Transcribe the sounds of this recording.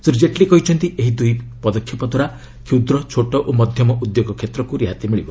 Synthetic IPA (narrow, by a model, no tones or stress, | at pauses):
suɾid͡ʒeʈlikɔɦit͡ʃʰɔnt̪iʔeɦid̪ujpɔd̪ɔkʰːipɔd̪ʱwaɾa | kʰiwd̪ɾɔt͡ʃʰoʈɔʔomɔd̪ʱjɔmɔʔud̪joɡɔkʰet̪ɾɔkuɾiɦat̪imiɭibɔ